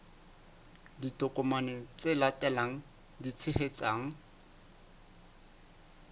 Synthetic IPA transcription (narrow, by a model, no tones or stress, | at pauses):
ditɔkʼɔmanɪt͡sɪlatʼɛlaŋ̩ | dit͡sʰɪhet͡sʼaːŋ̩